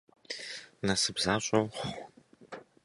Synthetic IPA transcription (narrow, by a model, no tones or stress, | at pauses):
nɐsɨbzaːɕʼɐwχʷχʷ